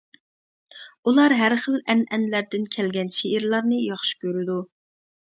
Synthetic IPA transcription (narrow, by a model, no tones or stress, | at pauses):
ulˠɑɾɦæɾχəlɛnɛnlæɾd̪ɪnkʲʰɛlɡʲɛnʃeiɾlˠɑɾnɨjɑχʃi̥kʲʰøɾɪd̪u